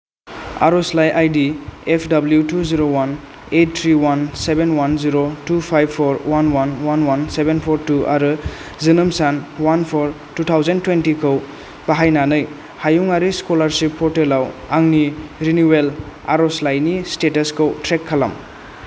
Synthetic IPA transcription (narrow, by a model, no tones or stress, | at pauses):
a̰ɾɔslajʔajdiepʰdabljutuziɾowan | et̚tʰɾiwansebenwanziɾotupʰajbpʰɔɾwanwanwanwansebenpʰɔɾtuʔa̰ɾɯzɯnɯmsanwanpʰɔɾ | tutʰawzentwentikʰɯw | baɦajnanɯj | hajuŋaɾiskolaɾsipʰːɔɾtelawaŋniɾiniwel | a̰ɾɔslajnistetɐskʰɯwtɾekʰːala̰m